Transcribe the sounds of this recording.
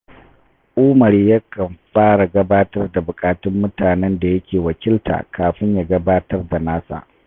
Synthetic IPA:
ʔʊː˦mɐ˨ɾja˦kɐ˨mɸaː˦ɽa˨ɡɐ˦baː˦tɐ˦rda˨bʊ˨kʼaː˨tɪ˦mːʊ˦taː˨nɛ˦nda˨jɐ˦kʲʰeː˨wɐ˨kʲɪ˦ltʰa̰ː˨kaː˨ɸɪ˦ɲjaː˨ɡɐ˦baː˦tɐ˦rda˨naː˦sa̰ː˦˨ʔ

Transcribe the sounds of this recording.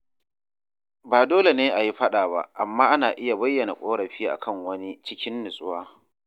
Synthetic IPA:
baː˨doː˦le˨neː˦ʔa˨ji˦ɸɐ˦ɗaː˨ba̰˦˨ʔa˨mːaː˦ʔa˦naː˨ʔɪ˦ja˨bɐ˦jːɐ˨na˨kʷʼoː˦ɽɐ˨ɸi˦ʔa̰˨kɐ˦˨ŋwɐ˦ni˦t͡ʃɪ˦kʲɪ˦nːɪ˨sʼʊ˦waː˦

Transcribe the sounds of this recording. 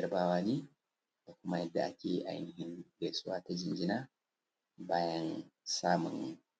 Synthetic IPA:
ɐ˨rbaː˦waː˦ne˦ | ta˨kʷʊ˦ma˦jɐ˦dːa̰˨ʔa̰˨kʲe˦ʔa̰˨j̰nɪ˨ɦɪ˦ŋɡɛ˨su˦waː˦ta˦d͡ʒɪ˨nd͡ʒi˦na˦ | baː˦jɐ˦nsaː˦mʊ̰˨n

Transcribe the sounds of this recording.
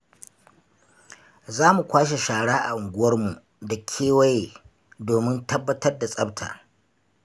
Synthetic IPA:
zaː˦mu˨kʷaː˦ʃ̬e˨ʃaː˨ɽaː˦ʔa̰˨ʔʊ˨ŋɡʷʊ˦wɐ˦rmu˨ʔ | da˨kʲʰeː˦wɐ˦jeː˨ | doː˨mɪ˦ntɐ˦bːɐ˦tɐ˦rda˨sʼɐ˦btʰa̰ː˨

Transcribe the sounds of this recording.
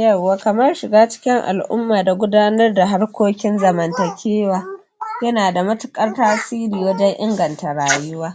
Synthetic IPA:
jɐ˦˨wːaː˨kɐ˨mɐ˦rʃɪ˨ɡaː˦t͡ʃɪ̥˦kʲɪ˦ŋʔa̰˨lʔʊ̰˦mːaː˨da˨ɡʷʊ˦daː˦nɐ˦rda˨ɦa˦rkʷoː˦kʲɪ˦nzɐ˨mɐ˨ntɐ˨kʲʰeː˦waː˨ | jɐ˦naː˨da˨mɐ˦tʊ̥˦kʼɐ˦rtaː˦siː˦ɾiː˨wɐ˦d͡ʒɐ˦ŋʔɪ˦ŋɡɐ˨nta˨ɽaː˨jʊ˦waː˦

